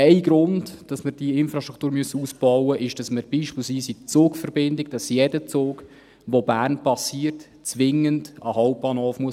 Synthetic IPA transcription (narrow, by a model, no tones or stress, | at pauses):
ɛɪɡɾʊndd̥ɑsməɾd̥iɪnfɾɑʃtɾʁukʰt̪uːɾmyəsəuːsb̥ɔwəʔɪʃd̥ɑsməɾb̥iːʃpɪːlsʋiːsit͡soːkfəɾbɪndɪɡd̥ɑsjɛdət͡soːɡ | ʋobæːrnpɑsiːərt | t͡sʋɪŋəndəhɔʊp̚b̥ɑːnhoːfmuəs